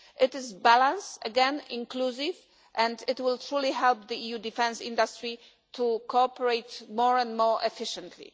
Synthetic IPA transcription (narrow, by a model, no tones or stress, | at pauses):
ʔɪtɪzbælãnsəɡɛ̃nĩnklusiv | ʔɛ̃ndɪtwɪlt̪ɹuliɦɛlp̚ðiijudifɛ̃nsḭ̃nd̪ast̪ɹi | t̪ʰukʰoɔpɛɹeɪtmɔɹɛ̃ndmɔɹɛfɪʃɛ̃nt̪ʰlḭ